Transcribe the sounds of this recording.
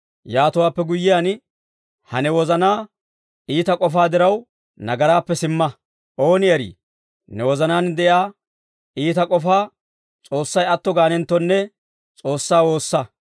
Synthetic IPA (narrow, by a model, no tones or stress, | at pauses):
jaːt̪ʊwaːpːɛɡʊjːɪjaːn | hɐnɛwɔzɐnaː | iːt̪ɐkʼɔfaːd̪ɪɾɐw | nɐɡɐɾaːpːɛsɪmːɐ | ʔo̞ːnɪɐɾḭː | nɛwɔzɐnaːnd̪ɛʔjaː | iːt̪ɐkʼɔfaː | t͡sʼo̞ːsːɐjɐt̪ːɔɡaːnɛnt̪ːɔnːɛ | t͡sʼo̞ːsːaːwo̞ːsːɐ